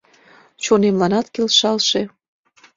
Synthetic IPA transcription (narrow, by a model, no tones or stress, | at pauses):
t͡ɕonemlɑnɑt̪kelʃɑlʃe